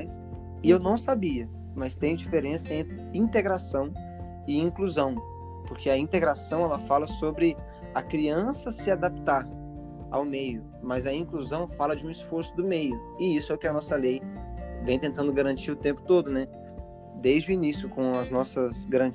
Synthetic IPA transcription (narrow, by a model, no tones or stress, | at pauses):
js | ɪewnɐ̃w̃sabiɐ | mɐst̪ẽj̃ʊd͡ʒifeɾẽsɐẽnt̪ɾɪĩnt̪eɡɾasɐ̃w̃ | ɪĩŋkluzɐ̃w̃ | poɾkʰeɐĩt̪eɡɾasɐ̃w̃ɛlɐfalɐsobɾɪ | ɐkɾiɐ̃sɐsɪad̪ap̚t̪aɾ | a̰wmejʊ | mɐzɐĩkluzɐ̃w̃falɐd͡ʒɪũisfoɾsʊd̪ʊmejʊ | ɪisʊɛʊkɪɐnɔsɐlejvẽj̃t̪ẽnt̪ɐ̃nd̪ʊɡaɾɐ̃nt͡ʃiɾʊt̪ẽmpʊ̥t̪od̪ʊnɛ | d̪ejzd͡ʒɪʊinisjʊkõɐznɔsɐsɡaɾɐ̃